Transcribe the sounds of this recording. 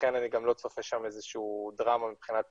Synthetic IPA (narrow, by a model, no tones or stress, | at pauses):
enaniɡamlo̞t͡sofeʃamezeʃuudʁamamipχinat̪